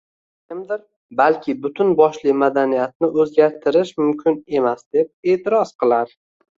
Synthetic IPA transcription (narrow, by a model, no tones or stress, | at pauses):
kʲʰɪmd̪ɪɾ | balkʲʰɪbʊt̪ʰʊnbɒʃlɪmad̪anijat̪̚nɪʔɵzɡʲaɾt̪ʰɪɾɪʃmʊmkʲʰɪne̞masd̪̥e̞p̚e̞ːt̪ʰɪɾɒzqʰɨlˠaɾ